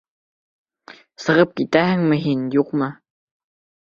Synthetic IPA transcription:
sɤ̆ʁɤp̚kit̪æhɘ̆ŋmɘ̆ɦinjuqmɤ

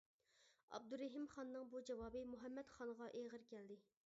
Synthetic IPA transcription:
ɑ̰b̚d̪uɾɪɦimχɑnːɨŋbud͡ʒɛwɑːbɨmuɦɛmːɛt̪χɑnʁɑʔeʁəɾkʲʰɛld̪ɪ

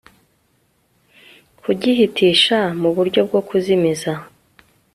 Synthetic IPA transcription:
kuɟiɦitiːʃamuβuɾɟo̞b̚ɡo̞kuzimiza

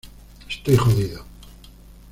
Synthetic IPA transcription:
est̪ojχoðiðo

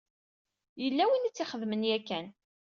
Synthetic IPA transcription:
jəlːæwint͡sːɪχəðmənjækːæn

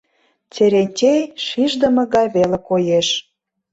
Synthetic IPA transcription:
t͡seɾentʲejʃiʒd̪ə̆mɤ̆ɣɑjβelĕkojeʃ

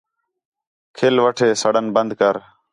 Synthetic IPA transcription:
kʰeːlʋəʈʰeːsəɽənbənd̪kəɾ

